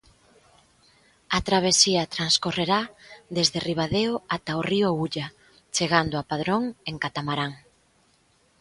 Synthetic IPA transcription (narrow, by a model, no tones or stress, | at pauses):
at̪ɾaβ̞esiɐt̪ɾanskoreɾaðezðeriβ̞aðeoat̪aoriʊauʎa | t͡ʃeɣand̪ʊapað̞ɾoŋeŋkat̪amaɾaŋ